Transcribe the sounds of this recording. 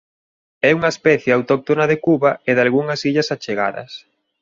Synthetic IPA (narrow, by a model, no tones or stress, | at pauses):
ɛuŋɐespɛθjeawt̪ɔk̚t̪onɐðekuβɐeðalɣuŋɐsiʎɐsat͡ʃeɣa̰ðɐ̰s